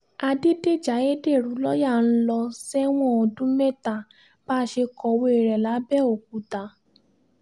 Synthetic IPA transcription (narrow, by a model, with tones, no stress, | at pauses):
a˧de˦de˦˨d͡ʒa˨˦e˦de˦˨ɾũ˨˦lɔ˦ja˦˨n̩˦lɔ˧sɛ˦w̃ɔ̃˦˨ɔ˨dũ˨˦mɛ˦˨ta˨ | b̥aː˦ʃe˧kɔ˧we˧e˨ɾɛ˨la˨˦bɛ˦˨o˨k̚u˨˦ta˨˦